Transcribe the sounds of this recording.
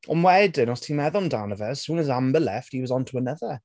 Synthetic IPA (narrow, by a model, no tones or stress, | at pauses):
ɔ̰mwɛdɪnɔstʰimɛðɔndawnəvəz̥suːnəzambəlɛfthiwɔzɔ̃ntʰuənəðə